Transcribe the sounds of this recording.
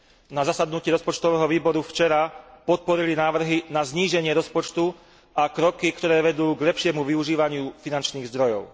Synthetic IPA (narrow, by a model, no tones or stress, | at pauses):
nazasad̪nuciːɾɔspɔt͡ʃt̪ɔʋɛːɦɔʋiːbɔɾuft͡ʃɛɾapɔt̪̚pɔɾilinaːʋr̩ɦinazɲiːʒɛɲɪɛɾɔspɔt͡ʃt̪u | akɾɔkikt̪ɔɾɛːʋɛd̪uːɡʎɛpʃɪɛmuʋiuʒiːʋaɲɪufinant͡ʃniːɣzd̪ɾɔjɔʊ